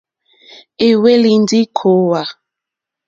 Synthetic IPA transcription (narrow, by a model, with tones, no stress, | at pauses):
e˨we˦li˨n˦di˦kʰo˨˦wa˨